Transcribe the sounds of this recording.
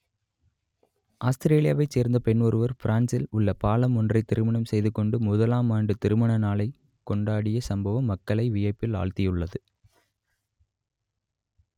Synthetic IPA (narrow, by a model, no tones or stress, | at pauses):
ʔaːst̪ɪɾeːlɪja̰ːʋɐɪt͡ʃːeːɾnd̪ɐpɛɳɔɾɯʋɐɾfɪɾʔaːnsɪlʊɭːɐpaːlɐmɔndrɐɪt̪ːɪɾɯmɐɳɐmsɛjðɯkːɔɳɖɯmʊðɐlaːmaːɳɖɯt̪ɪɾɯmɐɳɐnaːɭɐɪ | kːɔɳɖaːɽɪjɐsɐmbɐʋɐmːɐkːɐɭɐɪʋɪjɐɪpːɪla̰ːɭt̪ɪjɯɭːɐðɯ